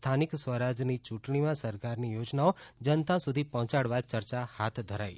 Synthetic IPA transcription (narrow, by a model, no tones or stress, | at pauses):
st̪ʰaniksʋəɾad͡ʒnit͡ʃũʈɳimãsəɾkaɾnijod͡ʒnaod͡ʒənt̪ãsud̪ʱipɔɦɔ̃t͡ʃaɽʋat͡ʃəɾt͡ʃahat̪ʰd̪ʱəɾa̰j̰